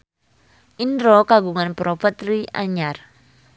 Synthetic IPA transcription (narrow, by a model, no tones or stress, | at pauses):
ʔindɾokaɡuŋanpɾopət̪ɾia̰ɲar